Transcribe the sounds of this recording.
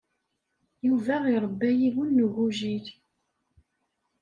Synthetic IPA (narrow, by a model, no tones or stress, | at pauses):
juvæiɾˤəbːæjiwunːəɣuʒiθ